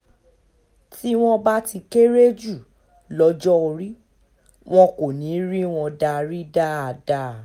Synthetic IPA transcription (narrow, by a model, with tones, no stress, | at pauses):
ti˦w̃ɔ̃˦ba˦ti˧ke˦ɾe˦d͡ʒu˦˨ | lɔ˧˦d͡ʒɔ˦o˧ɾi˦ | w̃ɔ̃˧ko˨nĩ˨˦ɾi˦w̃ɔ̃˧da˧ɾi˦da˦a˨da˦˨